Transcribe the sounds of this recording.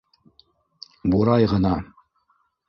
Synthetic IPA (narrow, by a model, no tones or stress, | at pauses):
buɾɑjʁɤ̆nɑ